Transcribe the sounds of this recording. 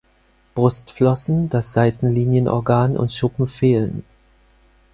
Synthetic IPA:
b̥ʁʊstflɔsn̩dasz̥aɪtn̩liːnjənʔɔ̰ɐɡaːnʔʊ̰ntʃʊpm̩feːlə̰n

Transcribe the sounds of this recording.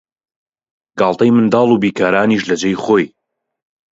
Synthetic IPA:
ɡɑːlˠt̪ɐjmɨnd̪ɑːlˠubiːkʰaːɾaːniʃlɐd͡ʒejχoːj

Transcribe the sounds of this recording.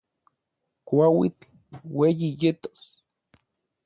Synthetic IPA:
kʷawḭt̪ | wejijet̪o̥s

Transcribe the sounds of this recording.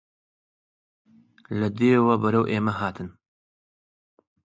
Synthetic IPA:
lɐd̪eːwɐbɐɾɐwʔeːmɐɦaːt̪ʰɨn

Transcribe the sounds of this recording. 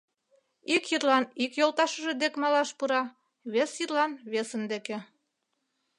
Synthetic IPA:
ikjirlɑnikjolˠt̪ɑʃə̆ʒĕd̪ekmɑlɑʃpuɾɑ | βesjirlɑnβesə̆nd̪ekĕ

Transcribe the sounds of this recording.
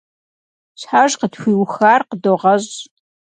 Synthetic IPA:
ɕħaːʒqədxʷiːwxaːrqədoːʁɐʑ

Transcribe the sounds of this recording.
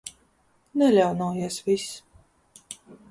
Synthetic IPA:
nɛlʲawnuɔjiɛsvʲis

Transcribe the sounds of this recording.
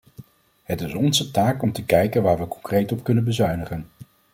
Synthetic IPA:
ɦətɪsɔnzətaːkɔmtəkɛjkənʋaːɹʋəkɔ̥ŋkrejtɔp̚kɵnənbəzœɥnəχən

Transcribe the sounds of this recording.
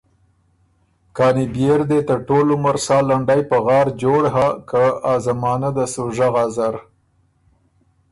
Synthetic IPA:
kɑːnibjeɾd̪et̪əɾʈolumaɾsɑːlaɳɖajpəɣɑɾd͡ʒoɽɦakaazamɑːnad̪əsoʒaɣɑzaɾ

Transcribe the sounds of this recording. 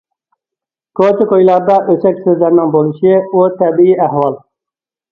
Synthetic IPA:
kʰot̪ɪkojlˠɑɾd̪ɑʔøsɛkʲsøzlæɾnɪŋbolˠuʃiut̪ʰɛbɪiæhwɑlˠ

